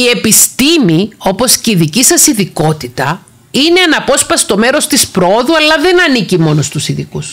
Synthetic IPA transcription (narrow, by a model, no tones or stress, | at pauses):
ie̞pist̪imio̞po̞sceiðicisɐsiðiko̞t̪it̪ɐ | ine̞ɐnɐpo̞spɐst̪o̞me̞ɾo̞st̪ispɾooðuɐlɐðe̞nɐnicimo̞no̞st̪usiðḭkus